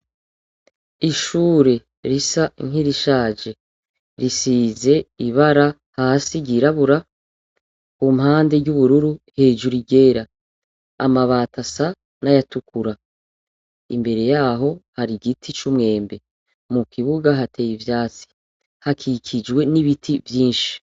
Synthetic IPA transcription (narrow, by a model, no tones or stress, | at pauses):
iʃuːɾe̞ | ɾisaŋ̥iɾiʃaːd͡ʒe̞ | ɾisiːze̞iβaɾa | hahasiɡiɾaβuɾa | kumhaːnde̞ɟuβuɾuɾuhe̞ːd͡ʒuɾiɡe̞ːɾa̰ː | maβaːtʰasa | najatukuɾa | ḭmbe̞ɾe̞jaːɦo̞haɾiɡitʰit͡ʃumŋe̞ːmbe̞ | mukiβuɡaɦatʰe̞ːjivjaːt͡si̥ | hakʰikʰid͡ʒwe̞niβitʰivjiːnʃi̥